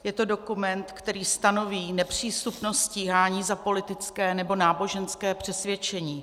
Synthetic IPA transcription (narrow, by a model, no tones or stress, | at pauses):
jɛt̪o̞do̞kumɛnt̪kt̪ɛɾiːst̪ano̞viːnɛpr̝̥iːst̪upnost̪sciːɦaːɲiːzapo̞lɪt̪ɪt͡skɛːnɛbo̞naːbo̞ʒɛnskɛːpr̥ɛsvjɛt͡ʃɛɲiː